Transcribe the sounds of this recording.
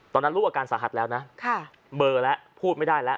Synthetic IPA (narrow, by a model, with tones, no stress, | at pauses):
t̪ɔː˧nːa˦˥ɾuː˥˩ʔaː˧kaː˧nsaː˩˦ɦa˨˩t̪̚lɛː˦˥wna˦˥kʰa˥˩ | bɤː˧lɛ˦˥ʔpʰuː˥˩t̪̚ma˥˩jdaː˥˩jlɛ˦˥ʔ